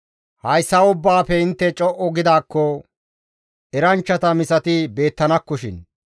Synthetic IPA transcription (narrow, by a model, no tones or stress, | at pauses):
hɐjsːɐʊbːaːfɛɪnt̪ːɛt͡ʃʼɔʔɔɡɪd̪aːkːɔ | ʔɛɾɐnt͡ʃːɐt̪ɐmɪsɐt̪ɪbe̞ːt̪ːɐnɐkːɔʃɪn